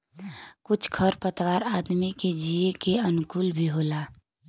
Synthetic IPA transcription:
kʊt͡ʃʰkʰəɾpət̪ʋaːɾaːd̪miked͡ʒiekeənʊkuːlbʱiɦoːlaː

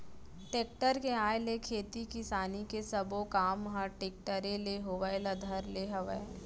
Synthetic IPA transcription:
ʈeːk̚ʈəɾkeaːjlekʰeːt̪ikɪsaːnikesɐbokaːmɦəʈeːk̚ʈəɾẽleɦoːbaːɪlɐd̪ʱəɾleɦɐʋəe

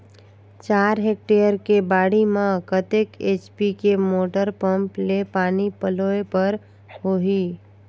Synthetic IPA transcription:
t͡ʃaːɾɦek̚ʈejəɾkebaːɽimãkət̪eket͡ʃpikemoːʈəɾpəmplepaːnipəloepəɾ | ɦoɦi

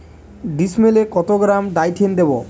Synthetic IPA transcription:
ɖismelekɔt̪oɡɾamɖajʈʰend̪ebo

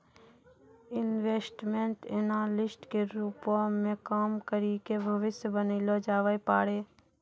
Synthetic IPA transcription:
ɪnʋeːsʈmẽɳʈenaːlɪsʈkeɾuːpõmẽkaːmkəɾikebʱɐʋɪsjəbəniːlod͡ʒaːʋəjpaːɽeː

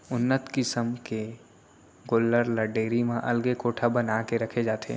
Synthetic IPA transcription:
ʊnːət̪kɪsəmke | ɡoːlːəɾləɖeːɾimẽʔɐ̰lɡekoːʈʰabɐnakeɾɐkʰed͡ʒaːt̪ʰḛː

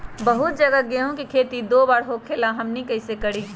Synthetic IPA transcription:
bəɦʊt̪̚d͡ʒəɡaɡeɦũkikʰeːt̪id̪oːbaːɾɦokʰelaɦɐmnikɐɪsekəɽiː

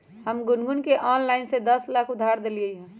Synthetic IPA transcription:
ɦəmɡʊnɡʊnkeʔɔːnlaːɪnsed̪ɐslaːkʰʊd̪ʱːaːɾd̪eliəiɦɛ̃ː

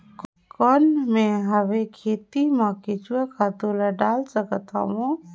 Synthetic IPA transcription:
k | kɔnmẽɦɐʋekʰeːt̪imãket͡ʃuakʰat̪olaɖaːlsəkət̪ʰa̰wõ

